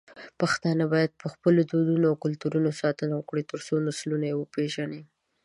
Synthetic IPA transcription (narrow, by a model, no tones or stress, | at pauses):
paxt̪ɑnəbɑjad̪̚pəxpəlod̪od̪unoawkʊlt̪uɾunosɑt̪ənawəkɽit̪əɾsonaslunajewəpeʒani